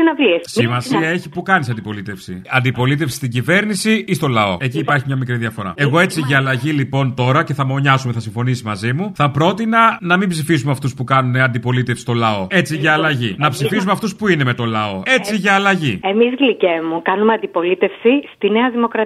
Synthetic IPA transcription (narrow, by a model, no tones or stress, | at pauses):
inɐvliessimɐsiɐeçipukɐnisɐnd̪ipo̞lit̪e̞fsḭɐnd̪ipo̞lit̪e̞fsi̥st̪iɲɟive̞ɾnisiist̪o̞lɐo̞̰e̞ciːpɐɾçimɲɐmikɾiðiɐfo̞ɾɐ̰e̞ɣo̞e̞t͡siʝɐːlɐʝilipo̞nt̪o̞ɾɐce̞θɐmo̞ɲɐsume̞θɐsiɱfo̞nisimɐzimuθɐpɾo̞t̪inɐnɐmimbsifizumeɐft̪uspukɐnune̞ɐnd̪ipo̞lit̪e̞fsi̥st̪o̞lɐo̞e̞t͡siʝɐːlɐʝinɐpsifizumeɐft̪uspuine̞me̞t̪o̞lɐo̞e̞t͡siʝɐːlɐʝiemizɣlicemukɐnumeɐnd̪ipo̞lit̪e̞fsist̪ineɐðimo̞kɾɐ